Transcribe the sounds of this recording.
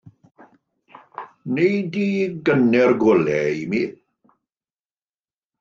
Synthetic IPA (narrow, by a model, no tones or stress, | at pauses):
nejdiːɡənɛrɡʊlɛimiː